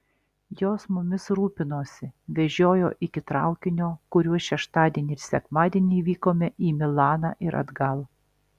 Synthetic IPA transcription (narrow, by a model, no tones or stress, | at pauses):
joːsmʊmʲɪsɾuːpʲɪnoːsʲɪʋʲɛʒʲoːjo̰ːʔɪkʲɪt̪ɾɑʊkʲɪnʲoːkʊɾʲuɔʃʲɛʃt̪ɑːd̪ʲiɛnʲɪɪɾsʲɛkmɑːd̪ʲiɛnʲiːʋʲiːkoːmʲɛʔiːmʲɪlˠɑːnɑːʔɪɾʔɐ̰d̪ɡɐlˠ